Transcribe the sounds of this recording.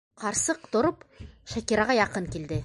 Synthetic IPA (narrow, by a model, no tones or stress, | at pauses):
qɑɾsɤqt̪ŏɾɤpʃækiɾɑʁɑjɑqɤŋkild̪ɘ